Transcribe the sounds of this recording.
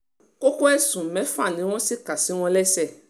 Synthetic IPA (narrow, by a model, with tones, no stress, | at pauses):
ko˦ko˦ɛ˦sũ˨mɛ̃˨˦fa˦˨nĩ˨˦w̃ɔ̃˦si˦ka˨si˨˦w̃ɔ̃˧lɛ˦sɛ˦˨